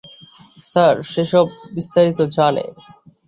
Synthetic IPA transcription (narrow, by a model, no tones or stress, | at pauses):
saɾʃeʃɔbːist̪aɾit̪od͡ʑanḛ